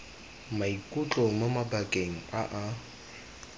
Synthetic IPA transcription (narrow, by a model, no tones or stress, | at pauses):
maikʼut͡ɬʼoŋ̩mamabakʼeŋ̩a̰ʔa